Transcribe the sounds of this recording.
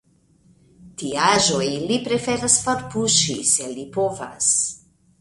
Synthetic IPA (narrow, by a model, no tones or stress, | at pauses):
tiaʒo̞jlipɾe̞fe̞ɾasfoɾpuʃḭse̞lipo̞va̰s